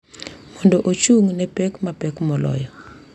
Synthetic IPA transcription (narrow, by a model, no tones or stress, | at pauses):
mɔndɔʔot͡ʃuŋnɛpɛkmapɛkmɔlɔ̰jɔ